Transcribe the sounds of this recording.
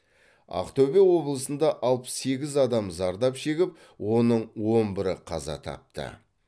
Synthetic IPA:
ɑ̰qt̪ɵbewo̞blˠəsənd̪ɑʔɑlˠpə̥se̞ɡʲɪzɑd̪ɑmzɑɾd̪ɑpʃe̞ɡʲɪp̚ | wo̞nəɴwo̞mbɪɾəqʰɑ̰zɑ̰t̪ʰɑ̰p̚t̪ə̰

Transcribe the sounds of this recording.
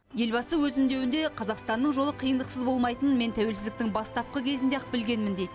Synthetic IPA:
je̞lbɑsəwɵzɪnd̪e̞wɪnd̪e̞qʰɑzɑqst̪ɑnːəɴʒolˠəqʰijənd̪əqsəzbo̞lˠmɑjt̪ənme̞nt̪ʰæwelsɪzd̪ɪk̚t̪ɪŋbɑst̪ɑp̚qəkʲʰe̞zɪnd̪eɑqbɪlɡʲe̞nmɪnd̪ed̪ɪ

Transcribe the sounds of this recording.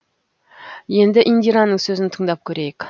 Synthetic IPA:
je̞nd̪ɪʔind̪ijɾanːəɴsɵzɪnt̪ʰəɴd̪ɑp̚kʲʰɵɾe̞jek

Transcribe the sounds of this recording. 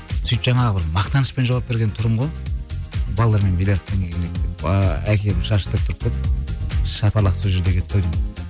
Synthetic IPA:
sʏjpʒɑɴɑʁəbɪɾmɑqt̪ɑnəʃpe̞nʒowɑp̚be̞ɾɡʲe̞nt̪ʰʊɾəmʁoj̪ˠ | bɑlˠd̪ɑɾme̞nbilʲeɾt̪ʰːeŋenek̪̚eækʲʰe̞lɪʃɑʃə̥t̪əɾəp̚t̪ʰʊɾəp̚kʲʰe̞t̪ɪ | ʃɑpɑlˠɑqsəʒɪɾd̪e̞kʲʰe̞t̪̚t̪ːʰæwd̪ijm

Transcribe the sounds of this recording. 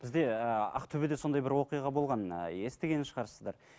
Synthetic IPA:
b̥ɪzd̪e̞əɑ̰qt̪ʰɵbɪd̪e̞so̞nd̪ɑjbɪɾwo̞qijɑʁɑbo̞lˠʁɑn̰e̞st̪eɡʲe̞nɪnʃəʁɑɾsəzd̪ɑɾ

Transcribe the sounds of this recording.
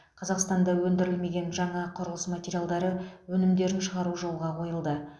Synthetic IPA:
qʰɑzɑqst̪ɑnd̪ɑwɵnd̪ɪɾɪlme̞ɡʲe̞nʒɑɴɑqʰʊɾəlˠəsmat̪ʲeɾijalˠd̪ɑɾəwɵnɪmd̪e̞ɾɪnʃəʁɑɾuʒo̞lˠʁɑqʰo̞jəlˠd̪ə

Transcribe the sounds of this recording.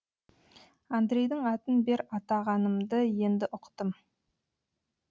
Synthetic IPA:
and̪ɾʲe̞jd̪ɪŋɑt̪ənbe̞ɾɑt̪ɑʁɑnəmd̪əje̞nd̪ɪʔʊqt̪əm

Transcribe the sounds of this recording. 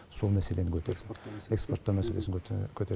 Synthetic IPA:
so̞lˠmæse̞lenɪkʲʰɵt̪eɾekspo̞rt̪ːɑmæse̞lesɪŋkʲʰɵt̪e

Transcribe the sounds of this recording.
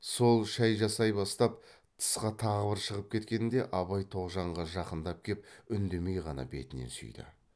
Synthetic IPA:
so̞lˠʃæjʒɑsɑjbɑst̪ɑp | t̪ʰə̥sqɑt̪ʰɑʁəbɪɾʃəʁəp̚kʲʰe̞t̪kʲe̞nd̪e̞ʔɑβɑjt̪ʰo̞ʁʒɑɴʁɑʒɑqənd̪ɑp̚kʲʰe̞pʏnd̪e̞me̞jʁɑnɑ̰be̞̰t̪ɪne̞̰sʏ̰jd̪ɪ̰

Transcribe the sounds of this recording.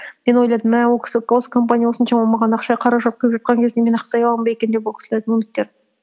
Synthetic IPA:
me̞nwo̞jlˠɑjd̪əmːnewokʲʰɪ̥sɪwo̞sə̥kʰo̞mpanʲijawo̞sənʃɑwolˠmɑʁɑnɑqʃɑjqʰɑɾɑʒɑt̪̚qʰəjəpʒɑt̪̚qɑŋkʲʰezd̪emenɑqt̪ɑjɑlˠɑmbɑjekʲe̞nd̪ep̬wokʲʰsɪlejd̪əmʊnɪk̚t̪e̞ɾ

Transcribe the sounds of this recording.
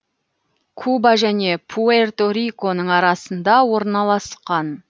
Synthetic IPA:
kʰubɑʒæne̞pʰuert̪oɾijko̞nəɴɑɾɑsənd̪ɑwo̞ɾnɑlˠɑsqɑn

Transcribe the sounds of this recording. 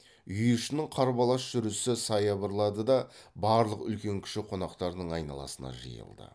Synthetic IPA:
ʏjɪʃɪnɪɴqʰɑɾbɑlˠɑsʒ̥ʏɾɪsɪsɑjɑbəɾlˠɑd̪əd̪ɑbɑɾlˠəqʏlkʲe̞ŋkʲʰɪ̥ʃɪqʰo̞nɑqt̪ɑɾd̪əɴɑjnɑ̰lˠɑ̰sənɑ̰ʒḭjə̰lˠd̪ə̰

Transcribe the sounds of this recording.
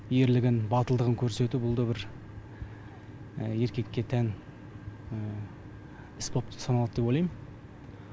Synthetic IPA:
je̞ɾlɪɡʲɪnbɑt̪əlˠd̪əʁəŋkʲʰɵɾse̞t̪ubʊlˠd̪əbɪɾ | je̞ɾkʲe̞kʲːe̞t̪ʰæn | ɪspop̚t̪ə̥sɑnɑlˠɑd̪d̪epojlˠɑjmən

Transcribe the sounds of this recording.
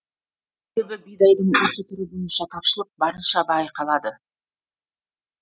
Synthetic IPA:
s | ebebɪbijd̪ɑjd̪əɴwɵsɪt̪ʰʏɾubo̞jənʃɑt̪ʰɑpʃəlˠəq̚bɑɾənʃɑbɑjqɑlˠɑd̪ə

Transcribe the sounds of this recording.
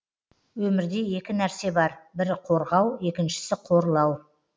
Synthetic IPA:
wɵmɪɾd̪e̞je̞kʲɪnæɾse̞bɑɾbɪɾqʰo̞ɾʁɑwe̞kʲɪnʃɪ̥sɪqʰo̞ɾəlˠɑw

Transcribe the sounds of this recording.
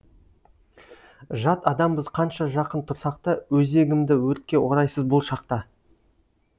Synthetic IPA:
ʒɑt̪ɑd̪ɑmbəzqʰɑnʃɑʒɑqənt̪ʰʊɾsɑq̚t̪əwɵze̞ɡʲɪmd̪ɪwɵt̪̚kʲe̞wo̞ɾɑjsəzbʊlˠʃɑq̚t̪ɑ

